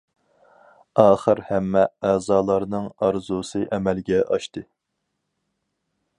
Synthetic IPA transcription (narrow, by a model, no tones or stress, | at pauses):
ɑːχəɾhɛmːɛæːzɑːlˠɑɾnɨŋɑɾzusɨʔɛmɛlɡʲɛʔɑʃt̪ɨ